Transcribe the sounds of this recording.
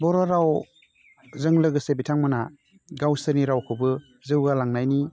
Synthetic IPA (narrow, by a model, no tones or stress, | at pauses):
bɔɾɔɾaw | zɯŋlɯɡɯsebitʰaŋmɯna | ɡawsɯɾniɾawkʰɯbɯ | zɯwɡalaŋnajni